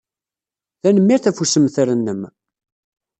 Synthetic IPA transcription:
ðænəmːiɾθæfusəmθɾənːəm

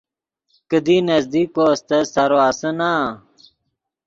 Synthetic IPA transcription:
kəd̪inɐzd̪iːkost̪ɐsɐɾoasəna

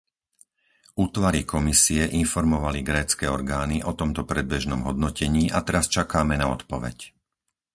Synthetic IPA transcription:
uːt̪ʋaɾikʰɔmisiɛʔinfɔɾmɔʋaliɡɾɛːt͡skɛːɔɾɡaːniʔɔt̪ɔmt̪ɔpɾɛd̪̚bɛʒnɔmɦɔd̪nɔcɛɲiːʔat̪ɛɾast͡ʃakaːmɛnaɔ̰t̪pɔʋɛ̰c

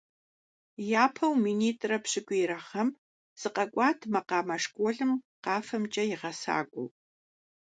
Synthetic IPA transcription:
jaːpʰɐwminiːtʼrɐpɕɪɡʷʼiːɾɐχɐm | z̥ɨqʼɐkʷʼɑːtʰmɐqɑːmɐʂkʷʼoɮɨmqɑːfɐmt͡ʃʼɐjɪʁɐsa̰ːɡʷʼʊ̰w

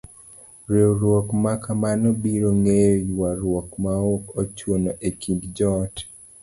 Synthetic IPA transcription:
ɾewɾwɔkmakamanɔbiɾoŋejwaɾwɔkmaokot͡ʃwonoʔekindd͡ʒɔt

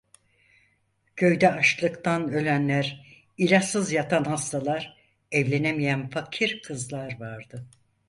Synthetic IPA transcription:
cʰø̞jd̪ɛaʃklˠɯkt̪ʰanø̞lʲænlʲæɾ | ilʲasɯzjat̪ʰanhast̪ʰalˠaɾ | ɛvlʲenemijænfacʰiɾkʰɯzlˠaɾvaɾd̪ɯ

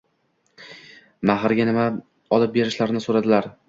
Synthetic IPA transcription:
maɦɾɡʲanɪma | ɒlˠɪp̚be̞ɾɪʃlaɾɪnɪsoɾad̪ɪlaɾ

